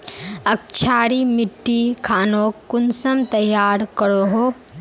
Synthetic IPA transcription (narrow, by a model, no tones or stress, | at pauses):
ɐk̚t͡ʃʰaːɾimɪʈːikʰaːnoːkːʊnsəmt̪ɐjaːɾkəɾoɦoː